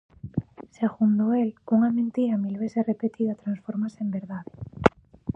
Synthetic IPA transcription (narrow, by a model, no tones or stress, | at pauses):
seɣund̪oeluŋamẽnt̪iɾamilβeθesrepet̪iðat̪ɾansfoɾmasembeɾðaðe